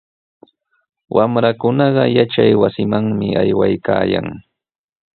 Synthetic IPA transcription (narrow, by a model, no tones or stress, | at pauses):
wʔamɾakʊnɑɢɑjat͡ʃajwasɪmaŋmɪʔajwajkaːjaŋ